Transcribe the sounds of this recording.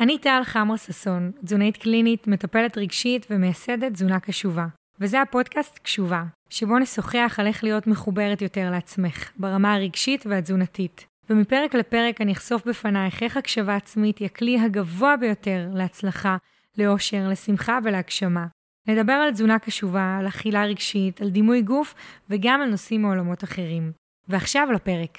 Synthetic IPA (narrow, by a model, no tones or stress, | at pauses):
anitalχamʁasaso̞nzunaitklinitmetape̞le̞tʁiɡʃitvemejase̞de̞t̚zunakaʃuva | vezehapo̞dkastkʃuva | ʃebo̞neso̞χeaχale̞χlijo̞tmeχube̞ʁetjo̞te̞ʁleat͡sme̞χbaʁamaaʁiɡʃitveazunatit | vemipe̞ʁeklepe̞ʁe̞kaniχso̞fbefanajχeχakʃavaːt͡smitjakliɦaɡavoabejo̞te̞ʁleat͡slaχa | le̞o̞ʃe̞ʁlesimχave̞leakʃama | ne̞dabe̞ʁalzunakaʃuvaːlaχilaʁiɡʃitaldimujɡufveɡamalnosimeo̞lamo̞taχe̞ʁim | veaχʃavlapeʁek